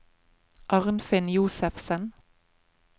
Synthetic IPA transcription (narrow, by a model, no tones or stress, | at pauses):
ʔɑʁnfɪnjuːsəfsən